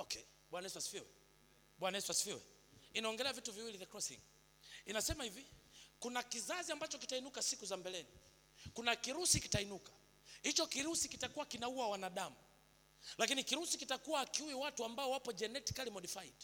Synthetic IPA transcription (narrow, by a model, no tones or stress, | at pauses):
ɔkʰɛ | ɓwanaiswasi̥fiwɛ | ɓwanaɛswasi̥fiwɛ̰ | inaɔŋɡɛlɛavituviwiliðakɾɔsḭŋ | inasɛmahivikunakizaziambat͡ʃɔkitainukasikuzambɛlɛni | kunakiɾusiki̥tainukḁ | hit͡ʃɔkiɾusikitakuwakinauwawanaɗamu | lakinikiɾusikitakuwakiuwiwatuambaɔwapɔd͡ʒɛnɛti̥kalimɔɗifait